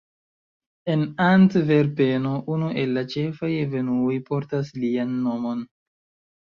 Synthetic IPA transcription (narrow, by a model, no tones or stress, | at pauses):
e̞nantve̞ɾpe̞noʔunuʔe̞lːat͡ʃe̞fajeve̞nuojpo̞ɾtaslianːo̞mo̞n